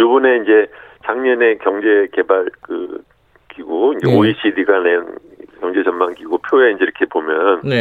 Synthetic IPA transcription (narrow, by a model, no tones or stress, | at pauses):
jubune̞ind͡ʑe̞t͡ɕaŋɲʌne̞kjʌŋd͡ʑe̞ke̞baɭkɯ | kiɡuind͡ʑeoiɕ͈ʰidiɡanen | kjʌŋd͡ʑe̞t͡ɕʌnmaŋɡiɡopʰjoeind͡ʑe̞iɾʌkʰe̞pomjʌn